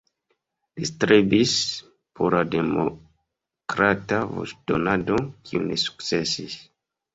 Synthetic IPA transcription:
listɾebis | pʰoɾademo | kɾatavo̰sd̥o̰nadokʰiunesu̥k̚t͡se̞sis

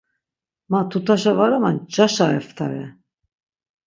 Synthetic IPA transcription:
mat̪ʰut̪ʰaʃavaɾamand͡ʒaʃaɛ̰ft̪ʰaɾɛ̰

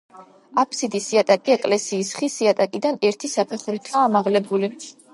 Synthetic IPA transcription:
apʰsid̪isiat̪ʼakʼiɛkʼlɛsiːsχisiat̪ʼakʼid̪anɛɾt̪ʰisapʰɛχɾit̪ʰaːmaʁlɛbuli

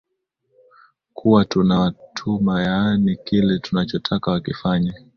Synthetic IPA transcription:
kʰuwatunawtʰumajanikilɛtunat͡ʃɔtʰakawakifaɲa

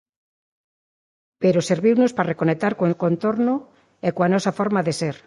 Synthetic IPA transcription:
peɾoseɾβiwnosparekonek̚t̪aɾkoekoent̪oɾno | ekoanɔsafɔɾmaðeseɾ

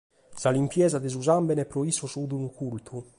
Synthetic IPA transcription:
salimpjɛːzad̪ezuzambɛnɛpːɾɔisːɔsud̪unukult̪ʰu

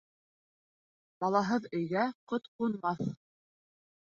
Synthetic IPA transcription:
bɑlˠɑɦɤðɵ̆jɡæqot̪qunmɑθ

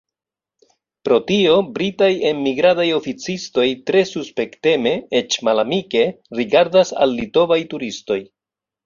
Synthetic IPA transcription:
pɾo̞tio̞bɾitaje̞mːiɡɾadajo̞fit͡sisto̞jtɾe̞suspe̞kte̞me̞et͡ʃmalamike̞ | ɾiɡaɾdasa̰lːito̞vajtuɾisto̞j

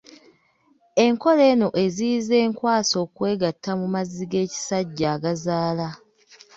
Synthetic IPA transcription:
e̞ŋko̞le̞ːno̞ʔe̞zize̞ːŋkwaːso̞ːkwe̞ːɡatːamumaziɡe̞ːci̥saɟːaːɡazaːla

